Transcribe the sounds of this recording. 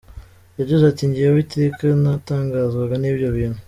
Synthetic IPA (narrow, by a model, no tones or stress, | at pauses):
jaɟezatiɲɟiawitekanataːŋɡaːzɡaɡaniːbjo̞βiːnhu